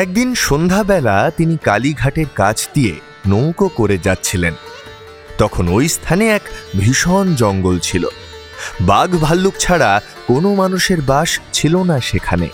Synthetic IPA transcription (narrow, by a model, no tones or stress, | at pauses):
ɛk̚d̪inʃond̪ʱabɛlat̪inikaliɡʱaʈeɾkat͡ɕʰd̪iḛ | nowkokoɾed͡ʑatːɕʰilen | t̪ɔkʰonojst̪ʰaneɛkbʱiʃond͡ʑɔŋɡolt͡ɕʰilo̰ | baɡbʱalːuk̚t͡ɕʰaɽa | konomanuʃeɾbaʃt͡ɕʰilonaʃekʰanḛ